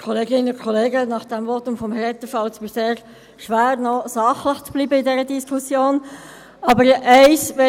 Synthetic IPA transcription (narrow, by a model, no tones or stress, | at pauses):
kʰɔleɡɪnʊkʰχɔleːɡənɑχd̥ɛmvɔtʊmfɔmhɛɾɛt̪əfɑlt͡sʋɪseːʁ | ʃʋæːʁnɔsɑχləχt͡sb̥liːbəɪdɛɾədiskʰʊsjoːn | ɑbəɾɛɪsʋɛ